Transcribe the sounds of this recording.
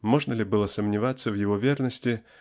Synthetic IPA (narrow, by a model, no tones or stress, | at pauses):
moʐnəlʲɪbɨlˠəsəmnʲɪvat̪sːəvjɪvovʲernəsʲtʲɪ